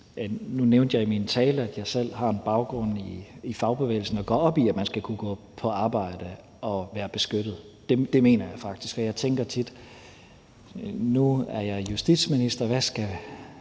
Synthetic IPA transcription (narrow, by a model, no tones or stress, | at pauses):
ænuneʊnd̥jɑ̈ɪimint͡sʰɛːləæd̥jɑ̈ɪsel̰ɦɑ̈e̝nb̥ɑ̈ʊɡ̥ʁɔ̽n̰iifɑ̈ʊb̥e̝ʋḛːɪl̩sn̩ɒ̽ɡ̥ɒ̰̽ːɒ̽b̥iæ̥mænsɡ̥ækʰuɡ̥ɔ̰̽ːpʰɒ̽ɑ̈ːb̥ɑ̈ɪ̰d̥ə | ɒ̽ʋæːɐb̥e̝sɡ̥ød̥ð̩ˠ | d̥e̝d̥e̝me̝̰ːnɐjɑ̈ɪfɑ̈ɡ̥̚d̥isɡ̥ɒ̽jɑ̈ɪt͡sʰeŋɡ̥ɐt͡sʰid̥ | nuæɐjɑ̈ɪjusd̥id̥sminisd̥ɐʋæsɡ̥æ